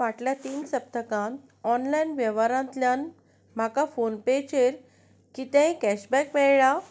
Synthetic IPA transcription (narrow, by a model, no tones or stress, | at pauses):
ʋaʈljat̪iːnsəp̚t̪əkãnt̪ | ɔnlajnʋjəʋaɾãnt̪lʲjan | m̤akafonpet͡ɕeɾ | kit̪ãĩkæɕbɛkʋɛɭa